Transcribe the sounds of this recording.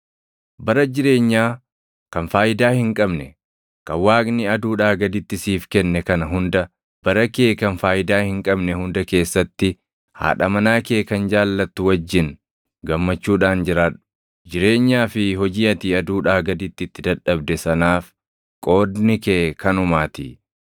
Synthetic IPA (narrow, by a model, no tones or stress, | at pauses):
bɐɾɐd͡ʒɪɾe̞ːɲːaː | kɐnfaːjɪd̪aːhɪŋkʼɐbnɛ | kɐwaːknɪɐd̪uːᶑaːɡɐd̪ɪt̪ːɪsiːfkɛnːɛkɐnɐɦʊnd̪ɐ | b̥ɐɾɐkeːkɐnfaːjɪd̪aːhɪŋkʼɐbnɛhʊnd̪ɐke̞ːsːɐt̪ːɪ | ha̰ːᶑɐmɐnaːke̞ːkɐnd͡ʒaːlːɐt̪ːʊwɐd͡ʒːɪn | ɡɐmːɐt͡ʃːuːᶑaːnd͡ʒɪɾaːᶑʊ̥ | d͡ʒɪɾe̞ːɲːaːfɪhɔd͡ʒiːɐt̪iːɐd̪uːᶑaːɡɐd̪ɪt̪ːɪɪt̪ːɪd̪ɐᶑɐbd̪ɛsɐnaːf | kʼo̞ːd̪nɪkeːkɐnʊmaːt̪ḭ